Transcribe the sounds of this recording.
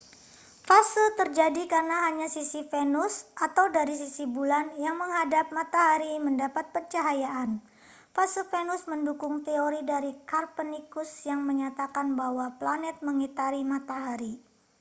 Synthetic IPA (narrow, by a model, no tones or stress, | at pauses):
fasɪlt̪ərd͡ʒadikarnaɦaɲasisifɛnʊsʔat̪awdaɾisisibulanjaŋməŋɦadap̚mat̪aɦaɾiməndapat̪̚pərt͡ʃaɦajaʔan | fasəfɛnʊsməndukʊŋt̪eoɾidaɾikarpənikusjaŋməɲat̪akanbaɦwaplanɛt̪̚məŋit̪aɾimat̪aɦaɾi